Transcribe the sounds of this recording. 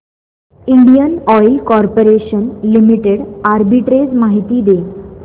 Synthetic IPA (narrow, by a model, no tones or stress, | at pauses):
iɳɖijənɔjlkɔɾpoɾeɕənlimiʈeɽaɾbiʈɾed͡zmaɦit̪iːd̪e